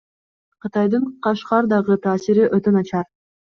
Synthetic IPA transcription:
qɯt̪ɑjd̪ɯɴqɑʃqɑɾd̪ɑʁɯt̪ʰɑːsiɾiʔøt̪ønɑt͡ʃɑɾ

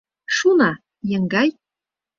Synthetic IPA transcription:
ʃunɑ | jɤ̆ŋɡɑj

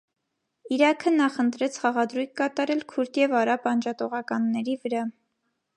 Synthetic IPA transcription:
iɾɑkʰənɑχənt̪ɾɛt͡sʰχɑʁɑd̪ɾujkːɑt̪ɑɾɛlkʰuɾt̪ʰjɛvɑɾɑpɑnd͡ʒɑt̪ɔʁɑkɑnːɛɾivəɾɑ

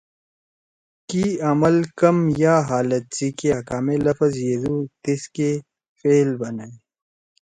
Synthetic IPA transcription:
kiɐməlkɐmjaːɦaːlət̪̚ziːkeɐkaːmelɐfɐzjed̪uːt̪iske | feːlbɐnai

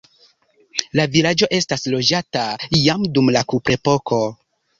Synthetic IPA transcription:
lavilad͡ʒo̞ʔe̞staslo̞d͡ʒataijamdumlakupɾe̞po̞kʰo̞

